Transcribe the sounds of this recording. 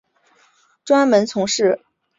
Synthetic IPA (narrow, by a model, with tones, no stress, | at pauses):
ʈ͡ʂwa˥nmə˧˥nt͡sʰʊ˧˥ŋʂɻ̩˥˩